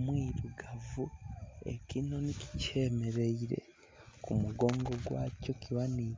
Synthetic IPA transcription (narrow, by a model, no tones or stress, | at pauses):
mwiːɾuɡavue̞̰kino̞niki̥ce̞ːme̞ɾe̞iɾe̞̰ | kumuɡo̞ːŋɡo̞ɡwaːco̞kiβaniː